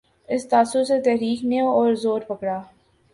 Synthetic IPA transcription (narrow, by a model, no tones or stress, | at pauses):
ɪst̪aːsoset̪ɛɦɾiːkneɔːɾzoːɾpɐkɽaː